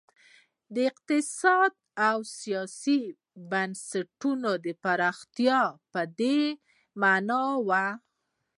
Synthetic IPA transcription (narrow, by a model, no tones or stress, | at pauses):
d̪əɪq̚t̪ɪsɑd̪̚ | awsijɑsi | bansaʈunod̪əpaɾɑxt̪jɑpəd̪e | manɑwa